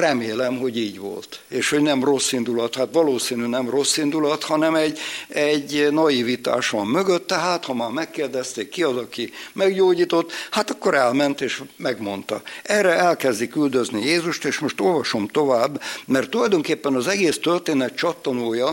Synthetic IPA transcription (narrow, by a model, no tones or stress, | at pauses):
rɛmeːlɛmɦo̞ɟiːɟʋo̞̰lt̪eːʃho̞ɟnɛmro̞sːind̪ulɒt̪hat̪ʋɒloːsiːnynɛmro̞sːind̪ulɒt̪hɒnɛmɛɟɛɟːnɒjivit̪a̰ːʃɒmmø̞ɡøt̪ːɛɦaːt̪hɒmaːrmɛkːeːrd̪ɛst̪eːkːiɒzɒkimɛɡɟoːɟiːt̪o̞t̪ːhat̪ɒkːo̞ɾɛlmɛnt̪eːʃmɛɡmo̞nt̪ɒ̰ɛrɛɛlkɛzd̪ikyld̪øznijeːzuʃt̪eːʃmoʃt̪o̞lvɒʃo̞mt̪o̞vaːbːmɛrt̪ːulɒjd̪o̞ŋkeːpːɛnɒzɛɡeːst̪ørt̪eːnɛt̪̚t͡ʃɒt̪ːɒnoːjɒ